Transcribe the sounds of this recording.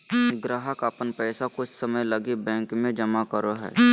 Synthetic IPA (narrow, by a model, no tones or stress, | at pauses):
ɡɾaːɦəkapənpɛːsakʊt͡ʃssəməjlɐɡibɛ̃ːŋkmẽd͡ʒɐmakəɾoɦɛ̰ː